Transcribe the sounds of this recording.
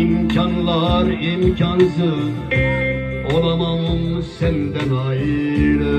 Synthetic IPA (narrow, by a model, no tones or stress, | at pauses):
imkʲʰɑnlˠɑɾimkʰɑnsɯz | olˠɑmɑmsɛnd̪ɛnɑjiɾ